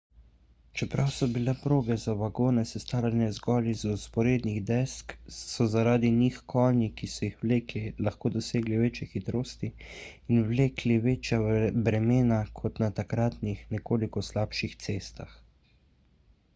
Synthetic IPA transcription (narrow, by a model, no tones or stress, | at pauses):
t͡ʃɛpɾawsɔbilɛpɾoːbɛzaʋaɡoːnɛsɛst̪aːlɛnɛzɡɔːlizuspɔɾeːd̪niɣd̪ɛsksɔzaɾaːd̪inixkʰɔːnikisɔjixʋleːklilaxkoːd̪ɔseːɡliʋeːt͡ʃjɛxit̪ɾoːst̪iinwleːkliʋeːt͡ʃjabɾɛmeːnakʰɔt̪nat̪akɾat̪nixnɛkoːlikɔslaːpʃixt̪seːst̪ax